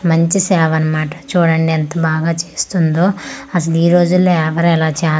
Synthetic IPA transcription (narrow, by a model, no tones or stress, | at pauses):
mɐɲt͡ʃisɛːʋɐnɐmaːʈɐ̥t͡ʃuːɽɐɳɖiɐnt̪ɐbaːɡaːt͡ʃeːst̪und̪oːɐsɐliːɾo̞ːd͡ʒulːoːɛʋɐɾuɛlaːt͡ʃaː